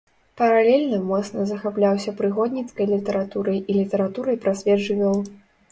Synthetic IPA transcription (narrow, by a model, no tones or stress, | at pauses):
pɐɾalʲelʲnɐmɔt̪snɐzɐxaplʲawsʲɐpɾɨɣɔd̪ʲnʲit̪skɐjlʲit̪ɐɾat̪uɾɐjilʲit̪ɐɾat̪uɾɐjpɾasʲvʲɛdʐɨvʲɔlˠ